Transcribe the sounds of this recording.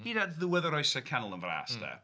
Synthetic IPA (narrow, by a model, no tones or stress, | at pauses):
hidədðəwɛðəɾɔjsəkʰanlˠə̃nvɾa̰sdə̰